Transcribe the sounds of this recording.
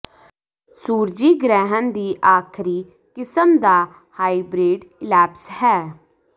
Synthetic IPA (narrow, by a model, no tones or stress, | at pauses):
suːɾd͡ʒiːɡɾɛːɦənd̪iːʔaːkʰɾiː | kɪsəmd̪aː | haːibɾeːɖɪlɛːpshɛː